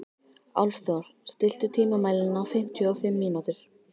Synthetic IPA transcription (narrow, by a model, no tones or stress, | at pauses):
a̰wlfθɔɾ̥st̪ɪl̥t̪ʏt̪ʰiːmamaːjlɪnawfɪm̥t̪ʰjœɔfɪmːiːnut̪ɪɾ̥